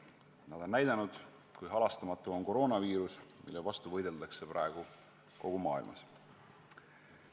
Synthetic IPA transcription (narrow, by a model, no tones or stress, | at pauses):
nɑolnːæjd̪̥ɑnud̪̥ | kujɦɑlɑst̪ɑmɑt̪ːˑuo̞nko̞ɾo̞ːnɑviːɾusmḭlːevɑst̪uvɤjd̪̥e̞ld̪̥ɑkse̞pɾʔɑ̰eɡ̥u | ko̞ɡ̥umɑːḭlmɑ̰s